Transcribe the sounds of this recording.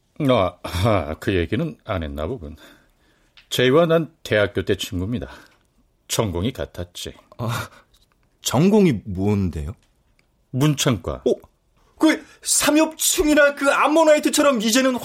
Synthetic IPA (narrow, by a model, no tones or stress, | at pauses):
a | kɯje̞ɡinɯnane̞̰nːa̰boɡun | t͡ɕeiwanante̞ɦak͈jot͈e̞t͡ɕʰɯŋɡumɲida | t͡ɕʌŋɡoŋikatʰat̚t͡ɕ͈ḭ | a | t͡ɕʌŋɡoŋimonde̞̰jo | munt͡ɕʰaŋk͈wa̰o | ke | sʰamjʌp̚t͡ɕʰɯŋiɾakɯamːonaitʰɯt͡ɕʰʌɾʌmid͡ʑe̞nɯn